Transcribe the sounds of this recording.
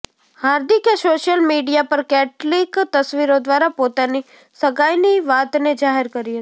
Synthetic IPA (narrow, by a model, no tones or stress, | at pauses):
haːɾd̪ɪkjasoʃəlmiɖijapəɾkɛʈlikt̪əsʋiɾod̪ʋaɾapot̪ani | səɡajniʋat̪ned͡ʒaɦeɾkəɾiɦət̪i